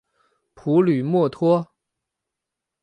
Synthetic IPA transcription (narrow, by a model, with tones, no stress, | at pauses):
pʰu˧˥ly˨˩mwɔ˥˩t̪ʰwɔ˥